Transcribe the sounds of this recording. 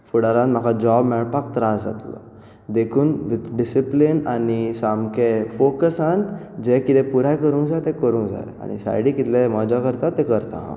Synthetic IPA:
fuɽaɾãnt̪m̤akad͡ʑɔbmɛɭpakt̪ɾasd͡za̰t̪lɔ̰ | d̪ekʰuːnʋit̪ɖisiplinanisamkefokəsãnt̪d͡ʑekit̪ẽpuɾajkəɾũnd͡zajt̪ekəɾũːnd͡za̰j̰a̰ɽ̃ḭsa̰jɽiːkit̪lemɔd͡ʑakəɾt̪at̪ːekəɾt̪a̰ɦã̰

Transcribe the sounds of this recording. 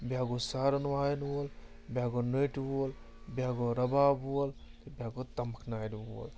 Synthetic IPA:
bʲjaːɡosaːɾɐnʋaːjnwul | bjaːɡonəʈul | bʲaːɡoɾɐbaːbulbʲjaːɡot̪ɐməkʰnaːjdbul

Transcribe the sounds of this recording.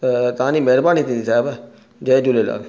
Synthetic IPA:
t̪ãːniːmɛɦɾbaːnit̪ʰĩnd̪isaːb | d͡ʒeːd͡ʒulela̰ːl

